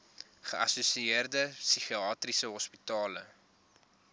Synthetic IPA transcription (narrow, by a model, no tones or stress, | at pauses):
χəʔɐ̰susieərdəsyχiɑːtrisəɦɔspitɑːlə̰